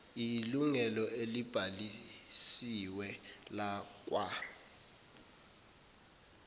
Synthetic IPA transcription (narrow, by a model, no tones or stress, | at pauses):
iluŋɛlɔelib̥ʱalisiwɛlak̬ʼwa